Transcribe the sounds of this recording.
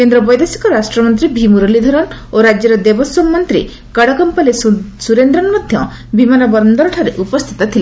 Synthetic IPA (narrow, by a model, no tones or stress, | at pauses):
kend̪ɾɔbɔjd̪esi̥kɔɾasʈɾɔmɔnt̪ɾibʱimuɾɔlid̪ʱɔɾɔnoɾad͡ʒjɔɾɔd̪ebɔsɔmːɔnt̪ɾi | kaɽɔkɔmpalessuɾend̪ɾɔnmɔd̪ʱjɔ | bimanɔbɔɾɔnd̪ɔɾɔʈʰaɾeʔupɔst̪ʰi̥t̪ɔt̪ʰile